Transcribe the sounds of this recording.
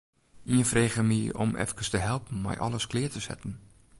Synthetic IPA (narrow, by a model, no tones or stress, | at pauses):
iənfreːɣəmio̰mɛ̰fkəstəɦɛlˠpən̩mɛ̰jʔɔ̰lˠəsklɪːtəsɛ̰tən̩